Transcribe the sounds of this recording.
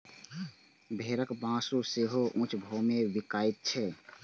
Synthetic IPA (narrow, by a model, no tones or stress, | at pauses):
bʱeːɾəkbãːsuseːɦoʔũːt͡ʃʰbʱoːmẽʋɪkaːɪt̪̚t͡ʃʰɛː